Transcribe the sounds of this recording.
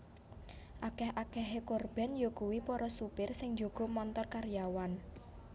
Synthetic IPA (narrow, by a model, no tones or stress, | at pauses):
ʔakɛhʔakɛɦekorb̥ɛ̤njokuwipɔɾɔsupɪrsɪŋd͡ʒo̤ɡ̥ɔ̤mɔnt̪ɔrkarjawan